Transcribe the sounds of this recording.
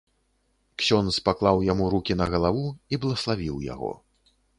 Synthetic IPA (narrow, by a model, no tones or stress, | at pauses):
ksʲɔnspaklˠawjamuɾukʲinɐɣɐlˠavuiblˠɐslˠavʲiwja̰ɣɔ̰